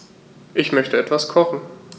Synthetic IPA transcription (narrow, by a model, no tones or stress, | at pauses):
ʔɪçmœçtəɛtv̥askʰɔχn̩